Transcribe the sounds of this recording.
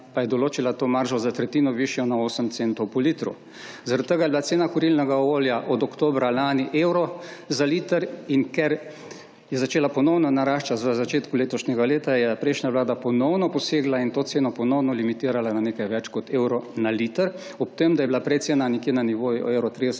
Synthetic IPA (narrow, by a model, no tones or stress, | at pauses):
pajɛd̪ɔloːt͡ʃilat̪oːmaɾʒɔzat̪ɾɛt̪iːnɔʋiʃjɔnaoːsəmt̪sent̪ɔwpɔlit̪ɾṵ | zaɾadt̪ːəɡajɛbilat̪seːnakɔɾilnɛɡaooːljaʔɔd̪ɔkt̪oːbɾalaːniʔewɾɔzalit̪əɾinkɛɾ | jɛzat͡ʃeːlapɔnɔwnɔnaɾaʃt͡ʃat̪ʋəzat͡ʃeːt̪kuleːt̪ɔʃɲɛɡaleːt̪ajɛpɾɛɪjʃnʲaʋlaːd̪apɔnɔwnɔpɔseːɡlaint̪oːt̪seːnɔpɔnɔwnɔlimit̪iːɾalananeːkajʋɛt͡ʃkɔt̪eːwɾɔnalit̪əɾ | ɔp̚t̪emd̪ajɛblapɾɛt̪senanɛkjeːnaniʋoːj̰ewɾɔt̪ɾid̪s